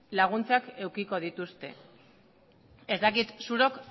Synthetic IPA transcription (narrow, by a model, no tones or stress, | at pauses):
laɣ̞unt͡seake̞wkiko̞ð̞it̪ust̪e̞̰ | e̞zd̪akit̪suɾo̞k